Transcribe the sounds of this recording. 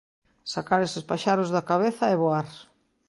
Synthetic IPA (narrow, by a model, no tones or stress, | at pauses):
sakaɾesɪspaʃaɾʊzðakaβeθɐeβoaɾ